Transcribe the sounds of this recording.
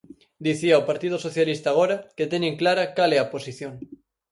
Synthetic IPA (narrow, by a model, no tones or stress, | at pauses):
d̪iθiaopaɾt̪ið̞osoθjalist̪aːɣ̞oɾaket̪eneŋklaɾakaleaposiθjoŋ